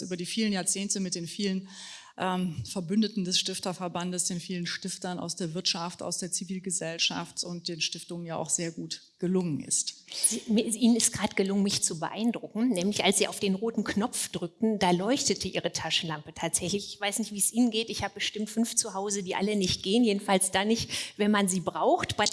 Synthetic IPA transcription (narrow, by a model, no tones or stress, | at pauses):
sʔyːbɐdiːfiːlənjaːɐt͡seːntəmɪt̚d̥eːnfiːlən | ʔɛmfɛɐbʏndətn̩dɛsʃtɪftɐfɛɐbandəsd̥eːnfiːlənʃtɪftɐna̰ʊsd̥eːɐvɪɐtʃafta̰ʊsd̥eːɐt͡siviːlɡəzɛlʃa̰ftʊnt̚d̥eːnʃtɪftʊŋənjaːaʊxz̥eːɐɡuːt | ɡ̥əlʊŋənʔɪ̰stz̥imiʔiːnənɪstɡ̥ʁaːdɡ̥əlʊŋənmɪçt͡subəʔa̰ɪndʁʊkŋ̩nɛːmlɪçʔa̰lsz̥iːʔa̰ʊfd̥eːnʁoːtn̩knɔp͡fd̥ʁʏk̚tn̩daːlɔʏçtətʰəʔiːʁ̞ətʰaʃən̩lampətʰaːtz̥ɛçlɪçɪçv̥aɪsnɪçtv̥iːsʔiːnənɡeːtɪçhaːbəbəʃtɪmtfʏnft͡suɦaʊzədiːʔalənɪçt̚ɡ̥eːənjeːdn̩falsd̥aːnɪçtvɛnmanziːbʁaʊxtb̥a